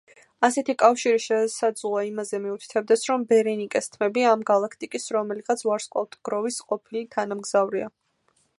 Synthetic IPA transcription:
asɛt̪ʰikʼafʃiɾiʃɛsad̪zluaimazɛmiut̪ʰi̥t̪ʰɛb̚d̪ɛsɾɔmbɛɾɛnikʼɛst̪ʰmɛbiamɡalˠakʰt̪ʼikʼisɾɔmɛliʁat̪sʰvaɾsqʼɔt̪ʰɡ̥ɾɔvisqʼɔpʰilit̪ʰanamɡz̥avɾia

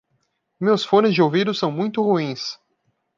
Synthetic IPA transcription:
mewsfõnɪzd͡ʒɪowvid̪ʊsɐ̃w̃mũj̃t̪ʊhuĩs

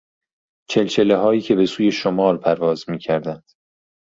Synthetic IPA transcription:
t͡ʃʰe̞lt͡ʃʰeleɦɒːiːcʰe̞be̞suːje̞ʃomɒːɾpʰæɾvɒːzmiːcʰæɾd̪ænd̪̥

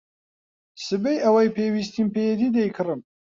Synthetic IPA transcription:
sɨbejʔɐwajpʰewist̪inpejɛt̪id̪ejkʰɨɾɨm

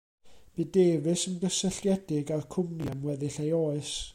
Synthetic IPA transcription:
b̥ɨdeːvɨsəndəsəɬjɛd̥ɪɡarkʰʊmnjamwɛðɪɬejoːɨs

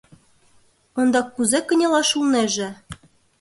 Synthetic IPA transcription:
ond̪ɑkːuzekə̆nʲelɑʃulneʒĕ

